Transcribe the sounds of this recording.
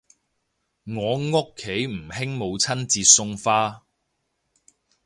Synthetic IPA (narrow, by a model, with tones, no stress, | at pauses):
ŋɔː˨˧ŋʊ˥kʰːe˨˥jm̩˨˩ɦɪ˥ŋmo˨˧wt͡sʰɐ˥nt͡siː˧sʊ˥ŋfaː˥